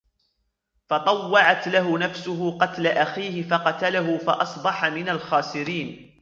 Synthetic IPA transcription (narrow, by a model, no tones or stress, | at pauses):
fɑt̪ˤɑwːɑʕat̪laɦʊnafsʊɦʊqɑt̪laʔaxiːhɪfɑqɑt̪alaɦʊfɑʔɑsˤbɑħɑmɪnalxaːsɪɾiːn